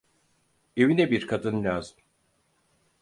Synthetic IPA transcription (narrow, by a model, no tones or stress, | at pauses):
evinɛbiɾkʰad̪ɯnlʲaːzɯm